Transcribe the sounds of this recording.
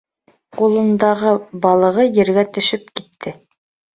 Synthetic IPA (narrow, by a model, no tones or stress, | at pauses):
qulˠɤ̆nd̪ɑʁɤbɑlˠɤ̆ʁɤjɘ̆ɾɡæt̪ɵ̆ʃɵp̚kit̪ʰːɘ